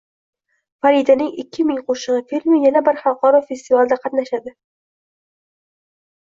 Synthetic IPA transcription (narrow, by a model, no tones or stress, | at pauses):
faɾid̪anɪŋɪkʲʰːɪmɪŋqʰoʃɨʁɨfilʲmɪjanabɪɾχɑlˠqʰɒɾɒfe̞st̪ivalˠd̪aqʰɑt̪naʃad̪ɪ